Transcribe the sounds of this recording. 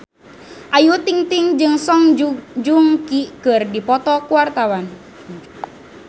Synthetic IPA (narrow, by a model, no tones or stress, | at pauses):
ʔajut̪iŋt̪iŋd͡ʒɨŋsɔŋd͡ʒuŋkikɨrdipɔt̪ɔkuwart̪awan